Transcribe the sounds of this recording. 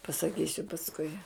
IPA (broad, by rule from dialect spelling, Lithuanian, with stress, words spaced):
pɐsɐˈkʲiːsʲʊ pɐsˈkʊɪ